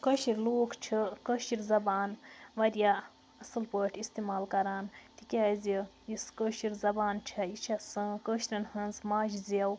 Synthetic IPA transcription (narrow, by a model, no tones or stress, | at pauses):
kəʃiɾloːkʰt͡ʃʰɐkəʃiɾzɐbaːnʋɐɾja | ɐsɐlpəːʈʰist̪imaːlkɐɾaːnt̪ikʲazijiskəʃiɾzɐbaːnt͡ʃʰɐjit͡ʃʰɐsɐ̃kəʃɾʲɐnhɐnzmaːd͡ʒizɐw